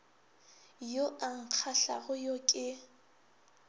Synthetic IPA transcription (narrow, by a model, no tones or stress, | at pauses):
joʔaŋ̩q͡χʰaɬa̰ɣʊjokʼɪ